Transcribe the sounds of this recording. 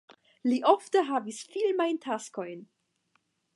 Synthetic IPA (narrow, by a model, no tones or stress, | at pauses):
liʔoftəɦavisfilmajntʰasko̞jn